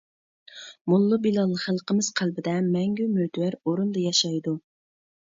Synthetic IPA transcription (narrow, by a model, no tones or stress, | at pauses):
mulˠːubilˠɑlˠːəχəlˠqəmɨz̥qʰælbɪd̪ɛmɛŋɡʲymøt̪ʰwæɾoɾund̪ɑjɑʃɑjd̪u